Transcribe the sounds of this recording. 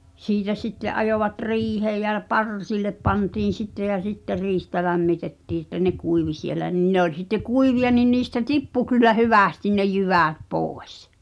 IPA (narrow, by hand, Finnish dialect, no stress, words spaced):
siːtæ sitːeʔ ʔɑjoʋɑt riːheː jɑ pɑrsilːep pɑntiːn̞ sitːe jæ sitːer riːhtæ læmːitetːiː ĕtːæ ne kuiʋi sielæ nin ne olʲ sitːe kuiʋiɑ nin niːstæ tipːu kylːæ hyʋæˑstin ne jyʋæˑt poˑes